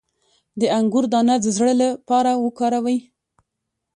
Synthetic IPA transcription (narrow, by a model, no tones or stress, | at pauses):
d̪əaŋɡʊɾd̪ɑnad̪əzɽəlapɑɾawəkɑɾawəj